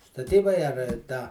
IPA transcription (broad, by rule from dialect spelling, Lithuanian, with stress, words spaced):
stɐˈtʲiːbɐɪ ɐr ˈtɑː